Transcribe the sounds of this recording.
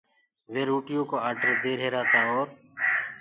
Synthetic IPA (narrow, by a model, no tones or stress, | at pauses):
ʋeːɾuːʈɪjõːkoːaːɖəɾd̪eːɾɦeːɾaːt̪aːɔːɾ